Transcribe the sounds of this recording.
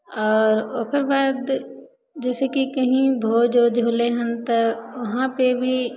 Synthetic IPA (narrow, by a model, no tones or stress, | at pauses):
ɔːɾoːkəɾbaːd̪ | d͡ʒɛːsekikɐɦĩbʱoːd͡ʒod͡ʒʱoːleɦənt̪əʋɐɦãpebʱi